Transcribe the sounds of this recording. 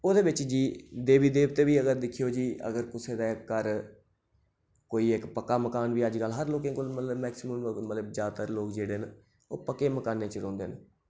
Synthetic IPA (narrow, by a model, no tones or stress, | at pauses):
oːd̪eːbɪt͡ʃd͡ʒiːd̪eːʋiːd̪eːbt̪eːʋiːəɡəɾd̪ɪkʰijoːd͡ʒiːə̰ɡəɾkɪseːd̪aːɪkːəɾ | koːiːɪkpəkːaːməkaːnʋiːəd͡ʒɡəlɦəɾloːkẽːkolmət̪ləbmɛːksɪməmmət̪ləbzjaːd̪t̪əɾloːkd͡ʒeːɽeːn | o̰ːpəkeːməkaːnːeːt͡ʃəɾɔ̃ːnd̪eːn